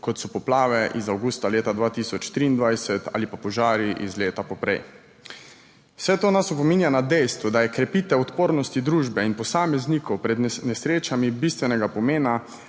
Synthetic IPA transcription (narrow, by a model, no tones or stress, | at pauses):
kɔt̪sɔpɔplaːʋɛʔizawɡuːst̪aleːt̪ad̪ʋaːt̪isɔt͡ʃt̪ɾiːnd̪ʋajsɛt̪a̰ːlipapɔʒaːɾjiʔizleːt̪apɔpɾɛ̰j | w̥sɛt̪oːnasɔpɔmiːnjanad̪ɛjst̪ʋud̪ajɛkɾɛpiːt̪ɛɔt̪poːɾnɔst̪id̪ɾuːʒbɛinpɔsaːmɛzniːkɔwpɾɛd̪nɛsɾeːt͡ʃamibist̪ʋɛnɛɡapɔmeːna